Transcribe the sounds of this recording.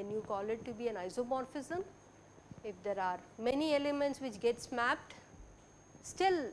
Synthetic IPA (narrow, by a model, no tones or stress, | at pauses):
d̪ɛnjuːkɔːlɪʈ̚ʈubiːɛ̃naɪsomɔːɾfɪzə̃m | ɪfd̪eɾaːɾmɛnielemẽɳʈsʋɪt͡ʃɡɛʈsmæp̚ʈ | sʈɪl